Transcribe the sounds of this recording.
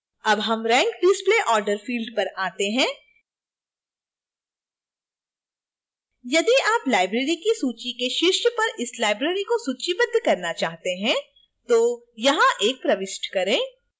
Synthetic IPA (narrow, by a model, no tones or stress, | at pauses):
ɐbɦɐmɾɛ̃ːŋkɖɪspleːʔɔːɾɖəɾfiːlɖpɐɾaːt̪eɦɛ̃ː | jɐd̪iaːplaːɪbɾeːɾikisuːt͡ʃikeʃɪʃjpɐɾʔɪslaːɪbɾeːɾikosuːt͡ʃibɐd̪ʱːkɐɾnat͡ʃaːɦt̪eɦɛ̃ | t̪oː | jɐɦãʔeːk̚pɾɐʋɪsʈkɐɾẽː